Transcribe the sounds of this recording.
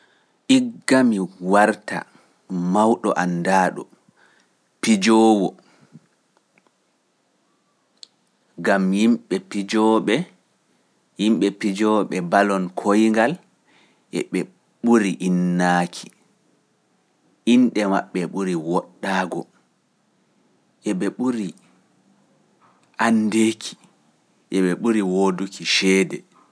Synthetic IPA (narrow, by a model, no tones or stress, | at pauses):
ʔiɡːamiwaɾta̰ | mawɗɔʔandaːɗɔ̰ | pid͡ʒɔwɔ | ɡamjimɓɛpid͡ʒɔɓɛ | jimɓɛpid͡ʒɔɓɛbalɔnkʰojŋɡal | ʔɛ̰ɓɛ | ɓuɾiʔinːaːkʰi̥ | ʔinɗɛma̰ɓːɛɓuɾiwɔɗːaːɡɔ | ʔɛɓɛɓuɾi | ʔandeːkʰi̥ | ʔɛɓɛɓuɾiwodukiʃɛːdɛ